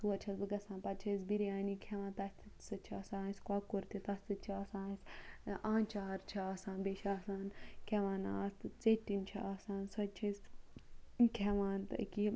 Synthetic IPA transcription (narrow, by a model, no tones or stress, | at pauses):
suɐt͡ʃʰɐsbɨɡɐsãːnpɐt̪t͡ʃʰɐsbiɾijaːnikʲʰɛʋãːnt̪ɐst̪ʰɨsɐt͡ʃʰiɐːsãːsʲkwakuɾt̪it̪ɐsʲt̪ɨt͡ʃʰiɐːsãːsʲãːnt͡ʃaːɾt͡ʃʰiaːsãːnbeʃaːsaːnkʰɛʋaːnaːst̪ɨt͡seʈːint͡ʃʰḭʔaːsaːnsɐt͡ʃʰisʲ | kʰʲɛʋaːnt̪ɨki